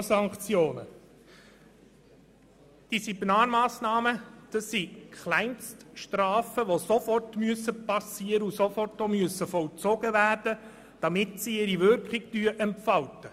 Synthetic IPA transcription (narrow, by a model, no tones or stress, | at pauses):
sɑŋkt͡sjoːnə̰ | d̥isibnɑːɾmɑːsnɑːməd̥ɑsːikʰχlæɪnstʃtɾɑːfəʋosofɔrtmyəsəpɑsiːəɾəusofɔrtomyəsəfɔlt͡sɔɡ̥əʋæːrd̥ə | d̥ɑmɪtsiɪɾiʋʏɾkχɪɡd̥yəʔɛmpfɑwtə